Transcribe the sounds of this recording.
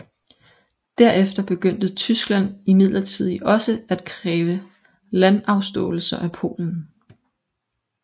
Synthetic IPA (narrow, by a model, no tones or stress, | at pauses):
d̥æɐefd̥ɐb̥e̝ɡ̥øn̰d̥ət͡sʰysɡ̥læn̰imið̞̰ˠlɐt͡sʰið̞̰ˠɒ̽səæd̥kʰʁɛːʋə | lænɑ̈ʊsd̥ɔ̰̽ːl̩sɐʔæpʰo̝̰ːln̩